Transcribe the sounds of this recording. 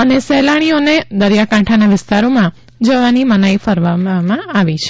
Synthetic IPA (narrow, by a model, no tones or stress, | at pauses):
ənesɛlaɽ̃ioned̪əɾjakãʈʰanaʋɪst̪aɾomã | d͡ʒəʋanimənaifəɾʋammãaʋit͡ʃʰe